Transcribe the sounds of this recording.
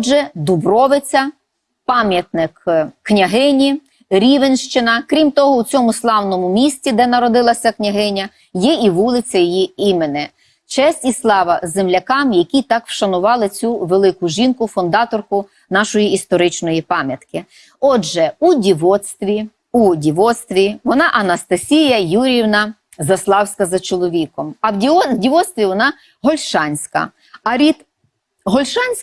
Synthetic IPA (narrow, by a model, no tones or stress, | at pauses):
ʒɛd̪ʊbɾɔʋɪt͡sʲɐ | pɑmʲjɐt̪nɪkːnʲɐɦɪnʲi | ɾʲiʋenʃt͡ʃɪnɐkɾʲimt̪ɔɦɔut͡sʲɔmʊslˠɑwnɔmʊmʲisʲt͡sʲid̪ɛnɐɾɔd̪ɪlˠɐsʲɐknʲɐɦɪnʲɐ | jɛiʋulˠɪt͡sʲɐjijiimenɪ | t͡ʃɛsʲtʲislˠɑʋɐzemlʲɐkɑmjɐkʲit̪ɑkwʃɐnʊʋɑlˠɪt͡sʲuʋelˠɪkʊʒinkʊfʊnd̪ɑt̪ɔrkʊ | nɑʃɔjiist̪ɔɾɪt͡ʃnɔjipɑmʲjɐt̪kɪ | ɔd͡ʒɛudʲiʋɔt̪st̪ʋʲi | udʲiʋɔt̪st̪ʋʲiʋɔnɑʔɐnɐst̪ɐsʲijɐjuɾʲiwnɐ | zɐslˠɑwsʲkɐzɐt͡ʃɔlˠɔʋʲikɔmɐwʲiɔdʲiʋɔt̪st̪ʋʲiʋɔnɑ | ɦɔlʲʃɑnʲsʲkɐ̰ | ɐɾʲid̪ | ɦɔlʲʃɑnʲsʲ